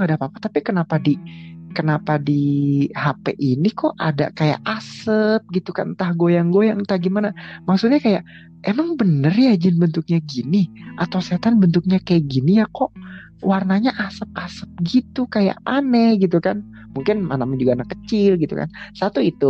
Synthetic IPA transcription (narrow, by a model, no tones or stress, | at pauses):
ŋadapapat̪apikənapadikənapadihapḛʔinikɔʔa̰da̰kaja̰ʔasəp̚ɡit̪uka̰nt̪ahɡojaŋɡojaŋt̪aɡimanamaksutɲakajaʔ | emaŋbənərjad͡ʒɪnbənt̪uk̚ɲaɡiniʔat̪awset̪anbənt̪ʊk̚ɲakajaʔ̚ɡinijakoʔ | warnaɲaʔasəp̚asəp̚ɡit̪ukaja̰ʔanɛɡit̪̬ukan | muŋkɪnmanamaɲd͡ʒuɡanakət͡ʃɪlɡit̪uka̰nsat̪uit̪u